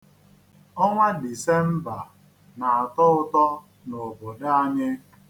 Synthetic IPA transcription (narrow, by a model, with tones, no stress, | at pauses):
ɔ˦ŋʷa˦di˨se˦m̩˦ba˨ | na˨a˨tɔ˦ʊ˦tɔ˦ | no˨bo˨da˦a˦ɲɪ˦